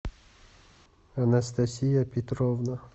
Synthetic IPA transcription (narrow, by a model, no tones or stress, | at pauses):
ɐnɐst̪ɐsʲijapʲɪt̪ɾovna